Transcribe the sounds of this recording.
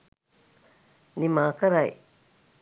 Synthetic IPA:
nimaːkɐɾaj

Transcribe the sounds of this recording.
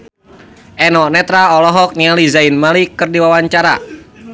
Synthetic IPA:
ʔɛnɔnɛt̪ɾaɔlɔɦɔk̚nializainmalikɨrdiwawaɲt͡ʃaɾa̰

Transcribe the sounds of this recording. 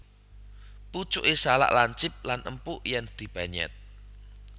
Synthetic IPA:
put͡ʃʊʔesala̰ʔlaɲt͡ʃɪp̚lanʔəmpuʔjɛŋd̪̥i̤b̥aɲɛ̰t̪̚

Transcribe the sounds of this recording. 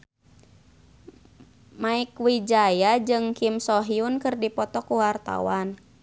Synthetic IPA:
maikwid͡ʒajad͡ʒɨŋkimsɔɦiunkɨrdipɔt̪ɔkuwart̪a̰wan

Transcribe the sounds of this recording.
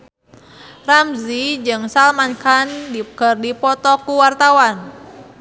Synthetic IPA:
ramzid͡ʒɨŋsalmankandikərdipɔt̪ɔkuwart̪awan

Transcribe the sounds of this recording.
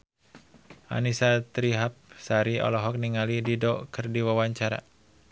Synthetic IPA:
ʔa̰nisat̪ɾiɦap̚saɾiɔ̰lɔɦɔk̚niŋalididɔkɨrdiwawaɲt͡ʃaɾa̰

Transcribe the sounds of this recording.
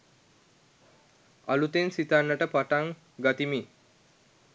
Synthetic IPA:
alut̪ensit̪anːəʈəpaʈaŋ | ɡat̪imi

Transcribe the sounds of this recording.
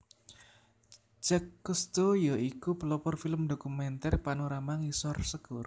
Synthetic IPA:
d͡ʒɛkːust̪ojɔikupəlɔpɔrfiləmdokumɛnt̪ɛrpanuɾamaŋisɔrsəɡ̥oɾ

